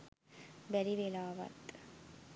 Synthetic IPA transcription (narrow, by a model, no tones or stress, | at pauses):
bɛɾiʋelaːʋɐ̰t̪